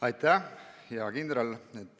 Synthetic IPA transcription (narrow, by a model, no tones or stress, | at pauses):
ɑjt̪ːæhejɑkind̪ɾɑlet̪ːˑ